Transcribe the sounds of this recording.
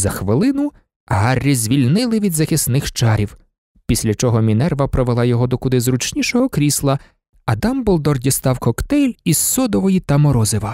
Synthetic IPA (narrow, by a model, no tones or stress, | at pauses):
zɐxʋɪlˠɪnʊ | ɦɑrʲːizʲʋʲilʲnɪlˠɪʋʲid̪zɐxɪsnɪxt͡ʃɑɾʲiw | pʲisʲlʲɐt͡ʃɔɦɔmʲinɛrʋɐpɾɔʋelˠɑjɔɦɔd̪ɔkʊd̪ɪzɾut͡ʃnʲiʃɔɦɔkɾʲislˠɐ | ɐd̪ɑmbɔlˠd̪ɔrdʲist̪ɑwkɔkt̪ɛjlʲisːɔd̪ɔʋɔjit̪ɐmɔɾɔzɪʋɐ